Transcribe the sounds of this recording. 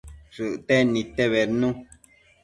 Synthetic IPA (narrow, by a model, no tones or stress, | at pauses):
sɨʔtɛnitɛβɛɾnũ